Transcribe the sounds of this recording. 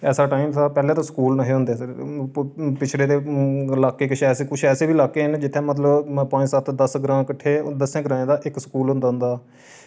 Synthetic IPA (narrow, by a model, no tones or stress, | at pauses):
ɛːsaːʈaːiːmt̪aːpɛːlẽːt̪ãːsə̥kuːlnaɦeːɦʊnd̪eː | pɪt͡ʃʰleːt̪eːlaːkːeːkɪt͡ʃʰɛːseːkʊt͡ʃʰɛːseːbiːlaːkːeːɦənd͡ʒɪt̪ʰːẽːmət̪̬ləbpə̃ɲd͡ʒsət̪ʰd̪əsɡɾãːkəʈʰːeːd̪əsẽːɡəɾãːẽːd̪aːʔɪkskuːlɦʊ̃nd̪aːɦʊ̃nd̪aː